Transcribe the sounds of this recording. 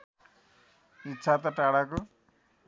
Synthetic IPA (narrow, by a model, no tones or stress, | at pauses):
itːt͡ʃʰat̪aʈaɽaku